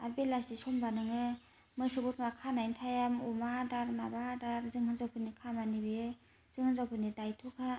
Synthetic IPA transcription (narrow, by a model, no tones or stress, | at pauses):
a̰ɾbelasisɔmbanɯŋɯ | mɯjsɯbutʰmakʰanajntʰajamɔmadaɾmabadaɾzɯŋhɯnzawpʰɯnikʰamanibeɯ | z̥ɯŋhɯnzawpʰɯnidajtʰɔkʰa